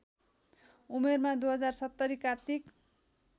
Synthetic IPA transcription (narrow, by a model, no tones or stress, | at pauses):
umermad̪uɦʌd͡zarsʌt̪ːʌɾikart̪ik